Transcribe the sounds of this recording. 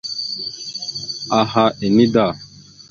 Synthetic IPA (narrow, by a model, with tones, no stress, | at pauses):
a˨ɦa˦ʔe˨ni˦da˦˨